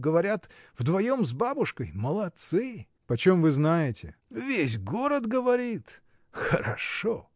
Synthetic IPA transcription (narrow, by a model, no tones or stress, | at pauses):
ɡəvɐɾʲat̪vd̪vɐjo̞mzbabʊʂkəjməlˠɐt̪sɨ | pɐt͡ɕo̞mvɨznajɪtʲɪ̰vʲesʲɡoɾəd̪ɡəvɐɾʲit̪ | xəɾɐ̰ʂo